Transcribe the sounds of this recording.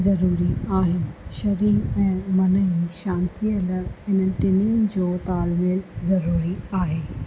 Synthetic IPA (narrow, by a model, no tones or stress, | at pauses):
zɐɾuːɾiaːɦɪnɪ̆ʃɐɾiːɛ̃ːmɐnəiʃãːnt̪ʰiələhɪnə̆ʈɪniʊnɪ̆d͡ʑoːt̪aːlmɪlzɐɾuːɾiaːɦeː